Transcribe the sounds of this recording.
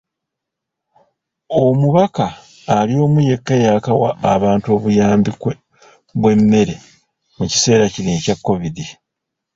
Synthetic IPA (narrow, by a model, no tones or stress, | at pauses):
o̞muβakaː | lio̞ːmuje̞kːajaːkawa̰ːβaːntuo̞ːβujaːmbikwe | βwe̞mːe̞ɾe̞ | muci̥se̞ːɾacineːcakːo̞βidi